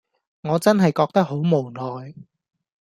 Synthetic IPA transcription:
ŋɔː˨˧t͡sɐ˥nɦɐ˨jkɔː˧k̚t̪ɐ˥k̚ho˨˥wmo˨˩wnɔː˨j

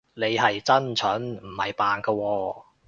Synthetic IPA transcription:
ne˨˧jɦɐ˨jt͡sɐ˥nt͡ʃʰœː˨˥nm̩˨˩hɐ˨jpaː˨nkɐ˧wɔː˧

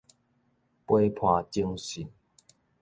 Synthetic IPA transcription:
pwe˦pʰwa˧˩t͡ɕi˦ŋɕi˨˩n

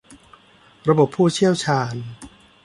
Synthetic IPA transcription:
ɾa˧bo˨˩pʰːuː˥˩t͡ɕʰi˥˩əwt͡ɕʰaː˧n

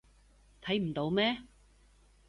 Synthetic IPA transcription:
t̪ʰɐ˨˥jm̩˨˩t̪o˨˧˥wmɛː˥

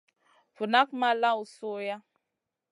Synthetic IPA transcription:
vu˨na˦kma˦la˦u˨so˦ja˦

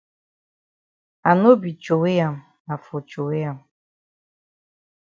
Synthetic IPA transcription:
a˨no˦bi˨t͡ʃo˨we˦ja˨m | a˨fo˨t͡ʃo˨we˦ja˨m

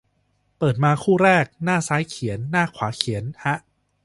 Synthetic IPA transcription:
pɤː˨˩t̪̚maː˧kʰuː˥˩ɾɛː˥˩k̚naː˥˩saː˦˥jkʰi˩˦ənːaː˥˩kʰwa̰ː˩˦kʰi˩˦ənha˦˥ʔ

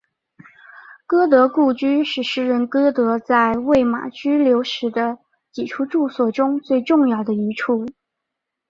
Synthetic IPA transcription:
kɤ˥t̪̬ɤ˧˥ku˥˩t͡ɕy˥ʂɻ̩˥˩ʂɻ̩˧˥ɻə˧˥nkɤ˥t̪ɤ˧˥t͡sa˥˧ɪwe˥˩ɪma̰˨˩t͡ɕy˥ljo˧˥ʊʂɻ̩˧˥d̪ə˧ | t͡ɕi˨˩ʈ͡ʂʰu˥ʈ͡ʂu˥˧swɔ˥˩ʈ͡ʂʊ˥ŋt͡swe˥˧ɪʈ͡ʂʊ˥˧ŋjɑ˥˩ʊd̪ə˩i˧˥ʈ͡ʂʰu˥˩

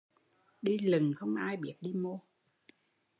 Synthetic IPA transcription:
ɗi˧lɨ˨˩ŋxə˧wŋ͡mʔaː˧jɓi˨˩˥ət̚ɗi˧mo˧

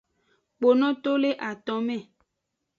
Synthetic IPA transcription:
k͡po˨nɔ̃˦t̪o˦le˦ʔa˨t̪ɔ˨˦mɛ̃˦˨

